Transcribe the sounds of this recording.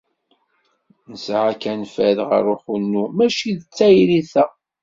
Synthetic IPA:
nəsʕakænfæðʁə̰ɾʊχunːumæʃiðət͡sːæjɾiθæ

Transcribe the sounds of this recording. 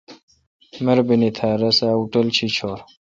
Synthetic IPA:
mɐɾbinit̪ʰaːɾɐsaːuʈəlt͡ɕʰit͡ɕʰoːɾ

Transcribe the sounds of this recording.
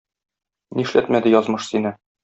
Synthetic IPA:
niɘ̆ʃlæt̪mæd̪ɘjɒzmɤʃsinɘ

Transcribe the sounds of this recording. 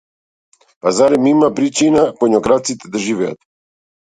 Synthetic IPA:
pazaɾɛmimapɾit͡ʃinaponɔɡɾat̪sit̪ɛd̪aʒivɛa̰t̪

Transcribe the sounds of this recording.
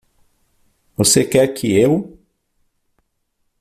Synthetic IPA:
vosekɛɾkʰɪew

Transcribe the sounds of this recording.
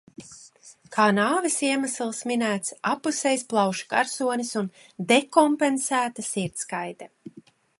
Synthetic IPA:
kʰaːnaːvisiɛmaslˠsminæːt̪sapusɛjsplˠɑwʃḁka̰ɾsuɔnisun | d̪ekɔmpensæːt̪asiɾt̪skajd̪ɛ

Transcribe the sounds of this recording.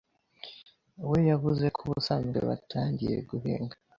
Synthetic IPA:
wejaβuze̞kʰuβusaŋuɾḛβa̰tʰaːɲɟije̞̰ɡuɦḛːŋɡa

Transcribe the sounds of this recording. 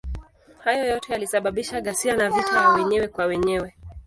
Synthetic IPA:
hajɔjɔtɛjalisaɓaɓiʃaɠasianavitajawɛɲɛwɛkwawɛɲɛwɛ

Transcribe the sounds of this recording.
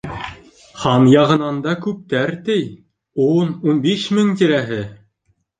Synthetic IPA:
χɑnjɑʁɤ̆nɑnd̪ɑkʉp̚t̪æɾt̪ɘj | ununbiʃmɘŋt̪iɾæɦɘ

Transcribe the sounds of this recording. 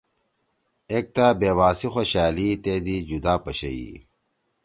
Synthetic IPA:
eːk̚t̪aːbeːwaːsixoɕaːliːt̪eːd̪iːd͡ʑud̪aːpɐɕɐḭ

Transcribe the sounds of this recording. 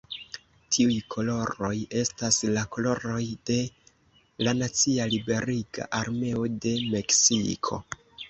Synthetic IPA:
tʰiujkʰo̞lo̞ɾo̞je̞staslako̞lo̞ɾo̞jd̥e̞ | lanat͡sialibe̞ɾiɡa̰ʔaɾme̞o̞de̞me̞ksikʰo̞̰

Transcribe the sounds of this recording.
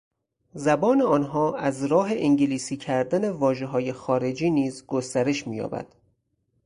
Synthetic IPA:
zæbɒːneɒːnɦɒːʔæzɾɒːɦe̞ʔiŋɟeliːsiːcʰæɾd̪æne̞vɒːʒe̞ɦɒːje̞xɒːɾe̞d͡ʒiːniːzɡost̪æɾe̞ʃmiːjɒ̰ːbæ̰d̪̥

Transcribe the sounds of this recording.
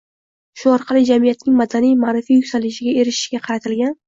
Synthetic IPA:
ʃʊɒɾqʰɑlˠɪd͡ʒamijat̪nɪŋmad̪anijmaːɾɪfijʊkʲsalɪʃ̬ɪɡʲae̞ɾɪʃɪ̥ʃɡʲaqʰɑɾat̪ʰɪlɡʲan

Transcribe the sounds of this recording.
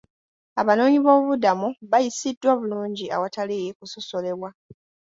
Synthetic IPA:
aβano̞ːɲiβo̞ːβudamuβajisidːwaβuluːɲɟia̰watalijekuso̞so̞le̞βwa

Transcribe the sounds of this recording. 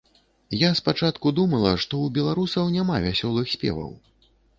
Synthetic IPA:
jaspat͡ʂat̪kud̪umɐlˠɐʂt̪ɔubʲɛlˠaɾusɐwnʲamavʲasʲɔlˠɨxsʲpʲɛ̰vɐ̰w

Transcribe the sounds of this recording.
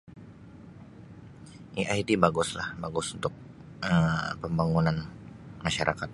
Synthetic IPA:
ʔiʔajdibaɡʊslahbaɡʊsunt̪ʊk̚ | ʔəmpəmbaŋunanmaʃaɾʔakat̪̚

